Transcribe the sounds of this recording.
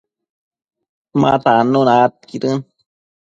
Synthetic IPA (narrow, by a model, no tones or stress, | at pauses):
ma̰t̪anːunat̪kiɾɨn